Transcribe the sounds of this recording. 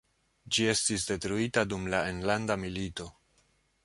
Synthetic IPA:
d͡ʒie̞stis̬de̞tɾuitadumlae̞nlandamilito̞

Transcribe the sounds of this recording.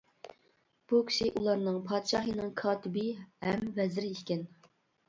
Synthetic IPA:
b̥ukʲʰi̥ʃɪʔulˠɑɾnɨŋpʰɑːd̪ʃɑːɦinɨŋkʰɑːt̪ʰɪbɪhɛmvɛzɪɾɪiʃkʲɛn

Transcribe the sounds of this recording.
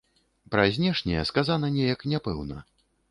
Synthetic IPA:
pɾazʲnʲɛʂnʲɛjɛskazanɐnʲɛjɐknʲɛpɛ̰wnɐ̰

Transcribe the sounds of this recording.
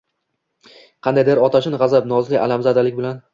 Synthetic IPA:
qʰɑnd̪ajd̪eɾɒt̪ʰaʃɪnʁɑzabnɒzlɪa̰lamzad̪alɪkʲbɪlan

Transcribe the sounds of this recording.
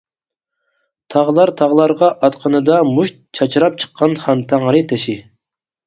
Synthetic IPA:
t̪ʰɑʁlˠɑɾt̪ʰɑʁlˠɑɾʁɑʔɑt̪qʰənɨd̪ɑmuʃt̪̚t͡ʃʰɑt͡ʃʰɾɑp̚t͡ʃʰə̥qʰːɑnχɑnt̪ʰæŋɾɨt̪ʰɛʃi

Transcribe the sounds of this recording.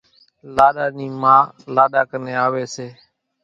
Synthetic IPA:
laːɗaːniːmãː | laːɗaːkəneːaːʋeːseː

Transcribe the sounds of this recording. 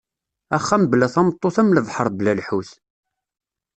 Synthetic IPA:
æχːæmblæθæmət̪ˤːoθæmləðˤħəɾˤblælħuθ

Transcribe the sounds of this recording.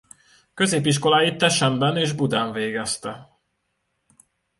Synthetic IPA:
kø̞zeːpiʃ̬ko̞laːjit̪ːɛʃɛmbɛneːʒbud̪aːɱveːɡɛst̪ɛ

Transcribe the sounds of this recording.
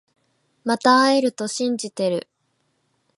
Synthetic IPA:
mat̪aːeɾɯ̟t̪o̞ɕĩɲd͡ʑit̪e̞ɾɯ̟

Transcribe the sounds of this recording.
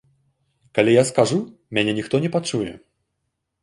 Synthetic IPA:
kalʲijaskaʐu | mʲanʲɛnʲixt̪ɔnʲɛpat͡ʂujɛ̰

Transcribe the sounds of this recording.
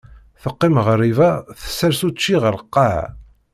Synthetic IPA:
θəqːimʁərːivæθə̥sːəɾsut͡ʃːiʁəɾˤəqːɑʕ

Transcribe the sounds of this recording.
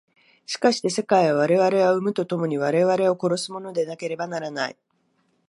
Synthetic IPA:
ɕi̥kaɕi̥t̪e̞se̞kaiβaβ̞aɾe̞βaɾe̞βaɯ̟mɯ̟t̪o̞t̪o̞mo̞ɲ̟iβ̞aɾe̞β̞aɾe̞o̞ko̞ɾo̞sɨmo̞no̞d̪e̞nake̞ɾe̞banaɾanaḭ

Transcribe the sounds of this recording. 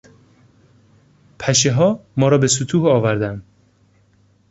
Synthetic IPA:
pʰæʃeɦɒːmɒːɾɒːbesut̪ʰuːhɒːvæɾd̪ænd̪

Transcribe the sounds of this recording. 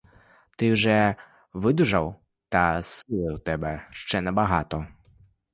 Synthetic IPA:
t̪ɪwʒɛ | ʋɪd̪ʊʒɐw | t̪ɐsɪlˠɪwt̪ɛbɛʃt͡ʃɛnɛbɐɦɑt̪ɔ

